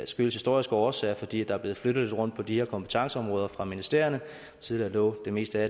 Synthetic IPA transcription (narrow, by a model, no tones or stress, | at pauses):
sɡ̥yl̩shisd̥o̝ɐ̰isɡ̥əɒːsɛ̰ːɐfɒ̽d̥ḭːæd̥ɑ̈æɐb̥le̝ːð̩ˠfløɾ̥ð̩ˠʁɔ̽n̰d̥pʰɒ̽d̥iheɐkʰɒ̽mpʰə̥t͡sʰɑ̈ŋsəɒ̽mʁɔ̽ːð̞ˠɐfʁɑ̈minisd̥ḛɐ̰ɐnə | t͡sʰiðˠliɐlɔ̰̽ːd̥e̝me̝̰ːsd̥əæ